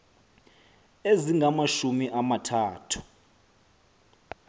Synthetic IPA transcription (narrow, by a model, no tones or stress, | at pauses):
eziŋʱamaʃumiʔamatʰaːtʰu̥